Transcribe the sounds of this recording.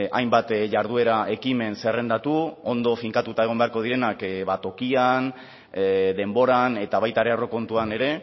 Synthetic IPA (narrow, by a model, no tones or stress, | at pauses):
ʔajmbat̪ʝaɾð̞ue̞ɾaʔe̞kime̞nse̞re̞nd̪at̪uo̞nd̪o̞fiŋkat̪ut̪ae̞ɣ̞o̞mbe̞aɾko̞ð̞iɾe̞nakβat̪o̞kian | ðe̞mbo̞ɾane̞t̪aβajt̪aɾe̞aro̞ko̞nt̪uane̞ɾe̞